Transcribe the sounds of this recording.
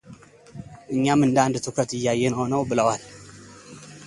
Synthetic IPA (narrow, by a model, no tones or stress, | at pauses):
ʔɨɲːamɨnd̪and̪ɨt̪ʰɨkʰət̪ɨjːajːɛnho̞nəwbɨləwal